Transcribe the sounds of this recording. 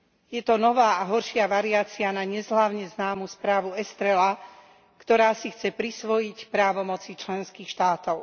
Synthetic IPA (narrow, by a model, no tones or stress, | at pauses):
jɛt̪ɔnɔʋaːaɦɔɾʃɪaʋaɾiaːt͡sianaɲɛzɦlaʊɲɛznaːmuspɾaːʋuɛst̪ɾɛla | kt̪ɔɾaːsixt͡sɛpɾisʋɔjicpɾaːʋɔmɔt͡sit͡ʃlɛnskiːxʃt̪aːt̪ɔʊ